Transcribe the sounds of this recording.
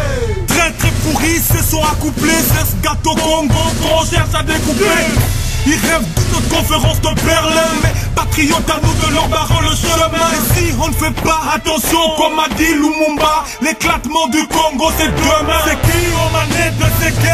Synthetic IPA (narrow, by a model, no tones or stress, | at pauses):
t̪χɛt̪χɛpuʁisəsɔ̃akuplesɛ̃səɡat̪okɔ̃ɡokɔ̃ʃɛʁʃad̪ekuple | ilʁɛvd̪ənɔt̪kɔ̃feʁɑ̃sd̪əpɛʁlɛmɛpat̪χijɔt̪anud̪əlɔʁpaʁɔləʃəəm̃siɔ̃nəfɛpaat̪ɑ̃sjɔ̃kɔmad̪ilumũba | leklat̪mɑ̃d̪ykɔ̃ɡosɛd̪əmɛsɛkiɔmanɛd̪əsɛkɛ